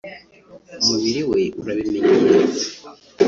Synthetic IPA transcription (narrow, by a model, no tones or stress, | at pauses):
umuβiɾiwe̞uɾaβimeɲiɲe